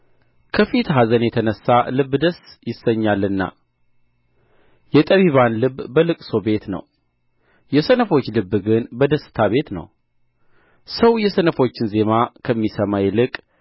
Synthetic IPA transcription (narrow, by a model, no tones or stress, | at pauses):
kʰəfit̪ɦazənjɛt̪ʰənəsːalɨbːd̪əsjɪsːəɲːalːɨnːa̰ | jɛt̪ʼəβiβanlɨbːəlɨkʼso̞be̞t̪nə̰w | jɛsənəfo̞t͡ʃːlɨbːɡɨnbəd̪əsːɨ̥t̪ʰaβe̞t̪nə̰w | səwjɛsənəfo̞t͡ʃːɪnze̞makʰəmːisəmajɛlɨkʼ